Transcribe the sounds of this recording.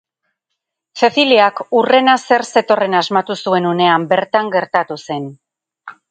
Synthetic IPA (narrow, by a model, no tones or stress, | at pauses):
se̞θiliakure̞nase̞ɾse̞t̪o̞re̞nazmat̪usue̞nune̞ambe̞ɾt̪aŋɡe̞ɾt̪at̪use̞n